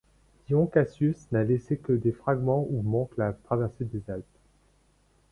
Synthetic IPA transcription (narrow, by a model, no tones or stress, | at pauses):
djɔ̃kasysnalesekəd̪efχaɡmɑ̃umɑ̃klat̪χavɛʁsed̪ezalp